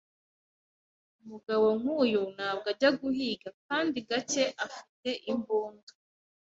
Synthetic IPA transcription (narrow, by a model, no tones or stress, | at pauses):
umuɡawo̞ŋhuːjun̥aːb̚ɡaɾɟaɡuɦiːɡakaːndiɡat͡ʃe̞ʔafite̞ʔimbuːndu